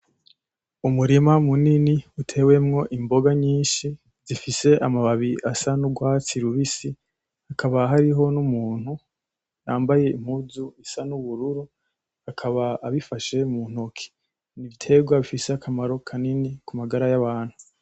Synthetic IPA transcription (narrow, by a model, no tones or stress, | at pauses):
umuɾimamuniniutʰe̞ːwe̞mŋo̞ʔimbo̞ɡaɲiːnʃi | zifise̞ʔamaβaβiʔasanuɡwaːt͡siɾuβisi | hakʰaβaɦaɾiɦo̞numuːn̥hu | jaːmbaje̞im̥huzuisanuβuɾuɾu | akʰaβaːβifaʃe̞mun̥o̞kʰi̥ | niβitʰe̞ɡwaβifiseakʰamaɾo̞kʰaninikʰumaɡaɾajaβaːn̥hu